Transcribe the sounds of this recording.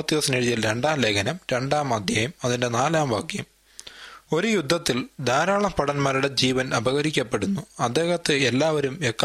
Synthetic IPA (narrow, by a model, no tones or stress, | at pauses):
t̪ːipɐsɐneɻujilɾe̞ɳɖaːmleɣɐnɐmɾe̞ɳɖaːmɐd̪ʱjɐjɐmɐðinde̞naːlaːmbʱaːkjɐm | o̞ɾujud̪ʱːɐt̪ːild̪ʱaːɾaːɭɐpɐɽɐnmaːɾuɽe̞d͡ʑiːʋɐnɐbɐɣɐɾikʲːɐpːe̞ɽunːuɐd̪ːe̞ːhɐt̪ːɨelːaːʋɐɾumekː